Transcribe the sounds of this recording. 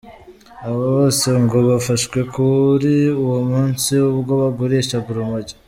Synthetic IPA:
aβaβo̞ːse̞ŋɡo̞βafaʃwe̞kʰuɾiuwomuːnsiuβɡo̞βaɡoɾeʃaɡuɾumoɟḁ

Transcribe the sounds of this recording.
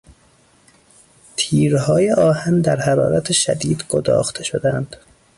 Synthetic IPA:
t̪ʰiːɾhɒːjeʔɒːhænd̪æɾhæɾɒ̰ːɾæt̪ʰeʃæ̰d̪iːd̪ɡod̪ɒ̰ːxt̪ʰe̞ʃod̪ænd̪̥

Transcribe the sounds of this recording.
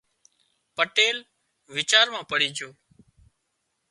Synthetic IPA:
pəʈeːl | ʋɪt͡ʃaːɾmãːpəɽ̤iːd͡ʒʱoː

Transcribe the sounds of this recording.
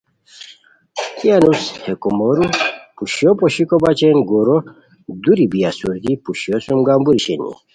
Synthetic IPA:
kianushekumɔɾupuɕjopoɕikobat͡ɕenɡoɾo | d̪uɾibijasuɾd̪ipuɕiosumɡambuɾiɕenḭ

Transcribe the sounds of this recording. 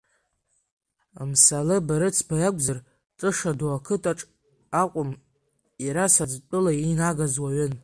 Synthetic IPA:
amsalɨbaɾɨt͡sʰbajakʷʼzar | ʈ͡ʂʼɨʂaduakʰɨtʼaʈ͡ʂʼ | aqʷʼʊm | iɾasad͡ztʷʼɨlainaɡazwaɥʏn

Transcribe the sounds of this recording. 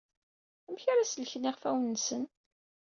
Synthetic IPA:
æmçaɾasəlçniʁfæwnːsən

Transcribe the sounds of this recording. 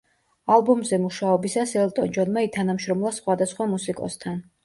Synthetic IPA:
alˠbɔmzɛmuʃaɔbisasɛlt̪ʼɔnd͡ʒɔnmait̪ʰanamʃɾɔmlˠasχwad̪asχwamusikʼɔ̰st̪ʰan

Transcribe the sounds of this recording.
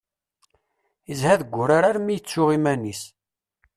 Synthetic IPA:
izhæðəɡʷːʊɾaɾaɾmijət͡sːʊʁimænis

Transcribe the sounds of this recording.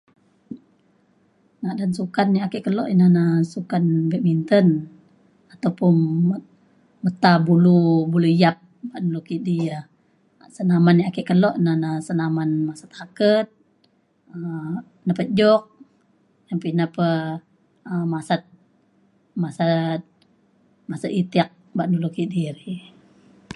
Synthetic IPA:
nadansukanːiakəʔkəlɔ̰ʔinanasukanbɛʔ̚mint̪ən | at̪awpʊn | mət̪abulubuluijap̚baʔnulukidia | sənamanːiakəʔkəlɔʔnanasənamanmasḁt̪̚hakət̪̚ | ə | napət̪̚d͡ʒɔk̚ | jampinapə | əmasat̪̚ | masat̪̚ | masat̪it̪ik̚ | baʔnulukidiɾi

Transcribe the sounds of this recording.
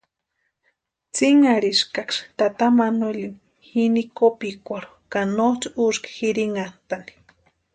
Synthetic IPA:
t͡siŋaɾiʃkakʂt̪at̪amanolim | hinikopikʷaɾo | kanot͡suʃkxiɾiŋant̪ani̥

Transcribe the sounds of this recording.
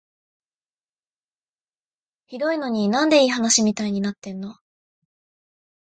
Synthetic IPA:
çid̪o̞ino̞ɲ̟inãnd̪e̞iːɦanaɕimʲit̪aiɲ̟inat̪ːẽ̞nːo̞

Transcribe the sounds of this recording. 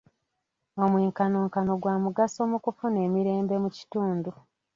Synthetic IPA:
o̞mwiːŋkanoːŋkano̞ɡwaːmuɡaso̞ːmukufune̞ːmiɾe̞ːmbe̞muci̥tuːndu

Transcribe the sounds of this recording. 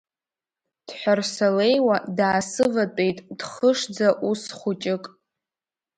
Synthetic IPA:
d̥ħʷᶣarsale̞jwadaːsɨvat͡pʷʼe̞jtʼd̥χəʂd͡zaʔusχʷʊt͡ʃʼɪkʼ

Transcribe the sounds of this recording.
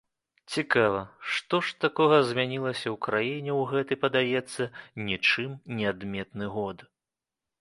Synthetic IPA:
t͡sʲikavɐʂt̪ɔʂt̪akɔɣɐzʲmʲanʲilˠɐsʲɐwkɾajinʲɛwɣɛt̪ɨjpɐd̪ajɛt̪sːɐnʲit͡ʂɨmnʲɛad̪mʲɛt̪nɨɣɔd̪

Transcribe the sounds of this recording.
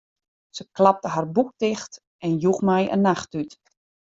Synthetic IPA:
səklap̚təɦarbuk̚tɪxt | ɛnjuxmɛjə̰nːaxtyt

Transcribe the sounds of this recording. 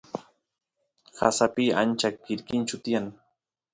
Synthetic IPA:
hasapia̰nt͡ʃakːɪɾkɪnt͡ʃʊt̪ɪjaŋ

